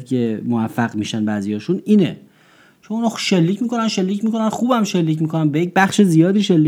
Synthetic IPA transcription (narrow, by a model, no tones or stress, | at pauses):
kʰe̞movæfːæɣmiːʃænbæːzijɒːʃuniːnḛ | t͡ʃʰomunɒːʃe̞lːiːcʰmiːko̞nænʃe̞lːiːcmiːko̞nænxuːbæmʃe̞lːiːcmiko̞nænbejec̚bæxʃezijɒːd̪iːʃelːiː